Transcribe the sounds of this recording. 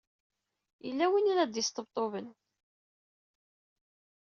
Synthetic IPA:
jəlːæwiniɾæd̪jəst̪əbt̪ˤovən

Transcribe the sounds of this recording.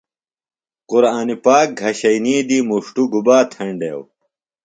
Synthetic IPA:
quɾaːnipaːk̚ɡʱɐɕɐjniːd̪imuʂʈuɡubaːt̪ʰɐɳɖḛːw

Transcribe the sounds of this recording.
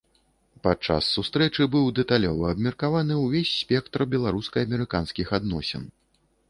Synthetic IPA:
pat͡ʂa̰sːust̪ɾɛt͡ʂɨbɨwd̪ɛt̪alʲɔ̰vɐːbmʲɛrkavanɨwvʲesʲːpʲɛk̚t̪rbʲɛlˠaɾuskɐɐmʲɛɾɨkanskʲixad̪nɔsʲɛ̰n

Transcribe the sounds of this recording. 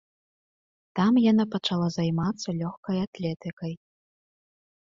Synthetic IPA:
t̪amjanapɐt͡ʂalˠazajmat̪sːɐlʲɔxkɐjat̪lʲɛt̪ɨkɐj

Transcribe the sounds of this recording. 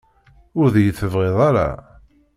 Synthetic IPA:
ʊɾðjəθəvʁeðˤaɾa̰

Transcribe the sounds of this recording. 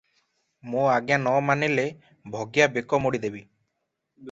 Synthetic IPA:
mõaɡjanɔmanɛle | bʱɔɡjabekɔmɔɽid̪ebi

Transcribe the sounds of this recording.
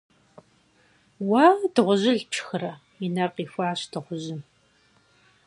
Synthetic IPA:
waːdɨʁʷʊʑɪɮpt͡ʃʰxɨrɐ | ɪnɐrqiːxʷɑːɕdɨʁʷʊʑɪm

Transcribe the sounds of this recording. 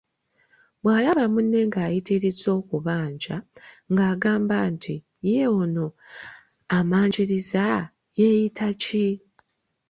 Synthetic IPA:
bwaːlaβamunːe̞ŋɡaːjitiɾizo̞ːkuβaːɲd͡ʒa | ŋɡaːɡaːmbantʰi | jeono̞ | amaːɲd͡ʒiɾiza | jejitʰaci

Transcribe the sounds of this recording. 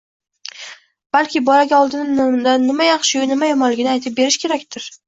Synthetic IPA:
b̥alkʲʰɪbɒlaɡʲaɒlˠd̪ɪnɪnmd̪anːɪmajɑχʃɪʊjɪnɪmajɒmɒlːɪɡʲɪnɪajt̪ʰɪp̚be̞ɾɪʃkʲʰe̞ɾak̚ʲt̪ʰɪɾ

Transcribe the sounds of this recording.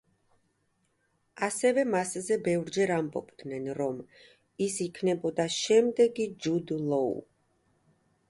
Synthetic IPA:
asɛvɛmaszɛbɛvɾd͡ʒɛɾambɔ̰bd̪nɛnɾɔm | isikʰnɛbɔd̪aʃɛmd̪ɛɡid͡ʒud̪lˠɔṵ

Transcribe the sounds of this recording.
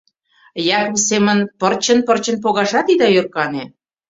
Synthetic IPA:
jɑkβisemə̆npərt͡ɕə̆npərt͡ɕə̆np̬oɣɑʒɑt̪id̪ɑjørkɑne

